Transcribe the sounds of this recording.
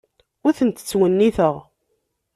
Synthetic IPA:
ʊθənt̪ə̥t͡sːwənːiθəʁ

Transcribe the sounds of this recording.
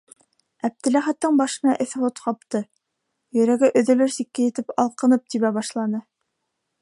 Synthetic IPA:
æp̚t̪ɘ̆læχæt̪ːɤɴbɑʃɤ̆nɑʔɘ̆θɘ̆lˠot̪qɑpt̪ɤ | jɵ̆ɾæɡɘʔɵ̆ðɵ̆lɵɾsikːæjɘ̆t̪ɘpɑlˠqɤ̆nɤp̚t̪iβæbɑʃlˠɑnɤ

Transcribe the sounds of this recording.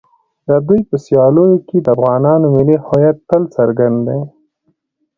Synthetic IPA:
d̪əd̪ujpəsjɑlojoked̪əafɣɑnɑnomɪlihojat̪̚ːəlt͡saɾɡand̪d̪e

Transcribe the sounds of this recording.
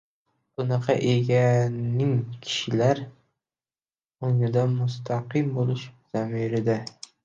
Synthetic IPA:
b̥ʊnɑqʰɑ̰ʔeɡʲanɪŋkʲʰɪ̥ʃɪlaɾ | ʊŋɪd̪amʊst̪ʰɑqɪmbolˠɪʃz̥amiɾɪd̪a

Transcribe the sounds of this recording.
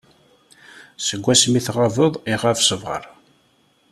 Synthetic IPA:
səɡʷːæsmiθʁavəðˤiʁafsəvʁə̰ɾˤ

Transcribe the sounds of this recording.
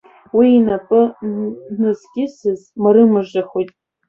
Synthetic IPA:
wiːnapʼɨ | nɨzɡʲɪsɨzmaɾɨmɨʐaχojtʼ

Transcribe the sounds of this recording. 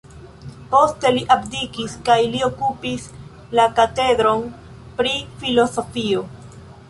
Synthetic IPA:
po̞ste̞liʔabdikiskajlio̞kupis | lakate̞dɾo̞n | pɾifilo̞so̞fio

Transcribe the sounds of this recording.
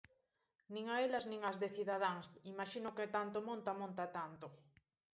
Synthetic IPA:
nĩŋaelɐznĩŋɐzðeθiðaðaŋsimaʃinʊket̪ant̪omõnt̪amõnt̪at̪ant̪o

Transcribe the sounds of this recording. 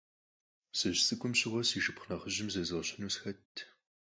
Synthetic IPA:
sɨɕsʼɨkʷʼʊmɕɪʁʷɔsiːʃɨpχnɐχəʑɪmzɐzʁɕɐnuːsxɐtʰː

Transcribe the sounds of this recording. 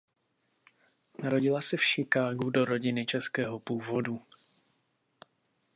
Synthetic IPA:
naɾo̞ɟɪlasɛfʃɪkaːɡudo̞ɾo̞ɟɪnɪt͡ʃɛskɛːɦopuːvo̞du

